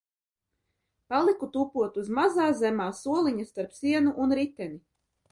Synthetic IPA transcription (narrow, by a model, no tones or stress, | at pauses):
palˠikut̪uːpuɔt̪uzmazaːzɛmaːsuɔlˠiɲast̪aɾpsiɛnuʔunɾit̪ɛni